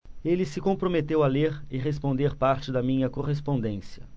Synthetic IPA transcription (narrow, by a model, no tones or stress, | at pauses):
elɪsɪkõpɾomet̪ewaleɾɪʁes̬põnd̪eɾpaɾt͡ʃɪd̪ɐmĩɲɐkoɦes̬põnd̪ẽsiɐ̰